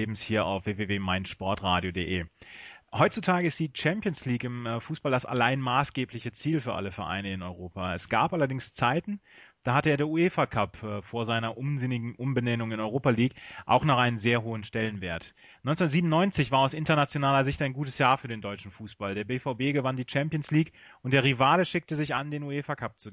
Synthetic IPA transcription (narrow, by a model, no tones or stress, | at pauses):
eːbm̩shiːɐa̰ʊfv̥eːveːveːmaɪntʃpɔɐtʁaːdjodeːʔeː | hɔʏtt͡sutʰaːɡəɪstd̥iːt͡ʃɛmpjonsliːkɪmfuːsb̥aldasa̰laɪnmaːsɡ̥eːplɪçət͡siːlfyːɐʔa̰ləfɛɐʔa̰ɪnəɪnɔʏʁoːpaɛsɡ̥aːpʔalɐdɪŋst͡saɪtn̩ | d̥aːhatəeːɐdeːɐueːfakʰapːfoːɐzaɪnɐʔʊmzɪnɪɡŋ̩ʔʊmbənɛnʊŋɪnɔʏʁ̞oːpaliːkʔa̰ʊxnaːχʔaɪnənzeːɐɦoːənʃtɛlənvḛːɐt | nɔʏnt͡sʊnɐtz̥ibmnɔʏnt͡sɪçv̥aːɐaʊsʔɪntɐnat͡sjonaːlɐzɪçtaɪnɡuːtə̥sjaːɐfyːɐdeːndɔʏt͡ʃn̩fuːsb̥aldeːɐbeːfaʊbeːɡəvandiːt͡ʃɛmpjənsliːk | ʔʊntd̥eːɐʁivaːləʃɪk̚təzɪçʔandeːnueːfakʰap̚t͡suɡ